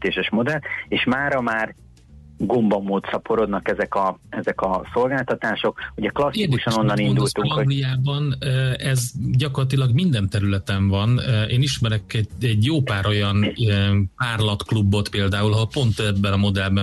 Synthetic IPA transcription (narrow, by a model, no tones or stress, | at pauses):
t̪eːʃɛʃmo̞d̪ɛlt̪eːʃmaːɾɒmaːr | ɡo̞mbɒmːoːt̪sɒpo̞ɾo̞d̪nɒkɛzɛkɒɛzɛkɒso̞lɡaːlt̪ɒt̪aːʃo̞kuɟɛklɒsid̪uʃɒno̞nːɒnind̪lt̪uɡlijaːbɒnːɛzɟɒko̞rlɒt̪̬ilɒɡmind̪ɛnt̪ɛɾylɛt̪ɛɱvɒnʔeːniʃmɛɾɛkɛɛɟjoːpaːɾo̞jɒn | paːrlɒt̪klubːo̞t̪peːld̪aːulɒɦolpo̞nt̪ɛbːɛnɒmo̞d̪ɛlbɛ